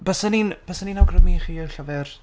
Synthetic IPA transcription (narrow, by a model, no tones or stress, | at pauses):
b̥asəninb̥asəninawɡrəmiχiːɪwɬavɛr